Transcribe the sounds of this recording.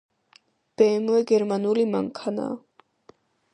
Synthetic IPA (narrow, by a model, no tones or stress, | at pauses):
b̥ɛːmuɛɡɛɾmanulima̰ŋkʰana̰